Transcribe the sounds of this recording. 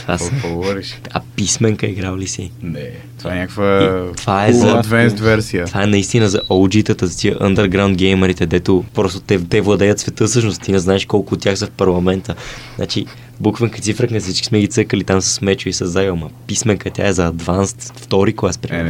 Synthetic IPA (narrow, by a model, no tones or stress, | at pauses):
asovɔɾiʃɐ̰pismɛŋkəiɡɾavlisḭnɛ | t̪ovaɛnʲakəkvəit̪vaɛzɐd̪vɛnst̪vɛɾsiət̪vaɛnɐist̪inəzɐʔolˠd͡ʒit̪ət̪əzɐt̪iə̰ʔə̰nd̪əɾɡɾaʊnd̪̚ɡɛjməɾit̪ɛd̪ɛt̪opɾɔst̪o̥t̪ɛt̪ɛvlˠɐd̪ɛjət̪svɛt̪ɤsɤʃnost̪t̪inɛznaɛʃkɔlˠkʊːt̪ʲːjaxsɐfpɐɾlˠɐmɛnt̪əna̰t͡ʃi | bukvəŋkə̥t̪sifɾəknɛfsit͡ʃkismɛɡit̪səkəlit̪amsə̥smɛt͡ʃʊisɐzːamɐpismɛŋkət̪ʲja̰ɛzɐɐd̪vanst̪ft̪ɔɾiklˠaspɾi